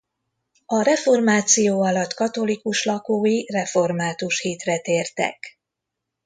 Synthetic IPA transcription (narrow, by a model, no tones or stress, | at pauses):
ɒɾɛfo̞rmaːt̪sijoːɒlɒt̪kɒt̪o̞likuʃlɒkoːjirɛfo̞rmaːt̪uʃhiːt̪rɛt̪eːrt̪ɛ̰k